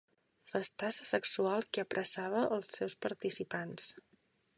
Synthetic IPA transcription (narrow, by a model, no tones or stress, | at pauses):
fəst̪asəsəksualˠkiəpɾʔəsaβ̞əʔːlˠsɛwspəɾt̪isipans